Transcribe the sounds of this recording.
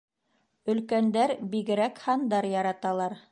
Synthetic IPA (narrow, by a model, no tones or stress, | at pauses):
ɵ̆lkænd̪æɾbiɡɘ̆ɾækhɑnd̪ɑɾjɑɾɑt̪ɑlˠɑɾ